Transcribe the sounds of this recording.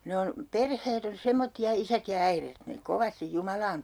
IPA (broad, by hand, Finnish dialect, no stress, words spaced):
ne on perheːt on semːotːiɑ isæt jɑ æiret ne koʋɑstij jumɑlɑːn